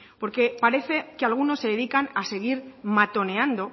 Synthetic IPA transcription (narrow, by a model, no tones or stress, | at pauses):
po̞ɾke̞paɾe̞θe̞kealɣ̞uno̞sːe̞ðe̞ðikanase̞ɣ̞iɾmat̪o̞ne̞and̪o̞